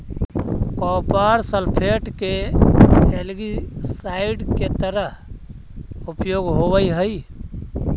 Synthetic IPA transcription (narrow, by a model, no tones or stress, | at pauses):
kɔpaɾsəlpʰeʈke | elɡisaiɖket̪əɾəɦ | upjoɡɦobəjɦəj